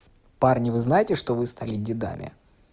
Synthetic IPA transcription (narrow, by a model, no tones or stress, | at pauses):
parnʲɪvɨznajɪtʲɪʂt̪ovɨst̪alʲɪdʲɪd̪a̰mʲʔɪ̰